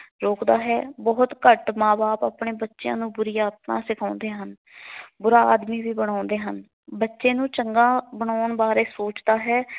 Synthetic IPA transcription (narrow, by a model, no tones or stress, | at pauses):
ɾoːkd̪aːɦɛːbɔːʊt̪kəʈmãːbaːpaːpɳeːbətːʃjã̰ːnũːbʊɾiːaːt̪mã̰ːsɪkʰãːnd̪eːɦən | bʊɾaːaːd̪miːbiːbəɽ̃ãːnd̪eːɦən | bətːʃeːnũːt͡ʃəŋɡãːbəɳ̃aːɳbaːɾeːsoːt͡ʃd̪aːɦɛː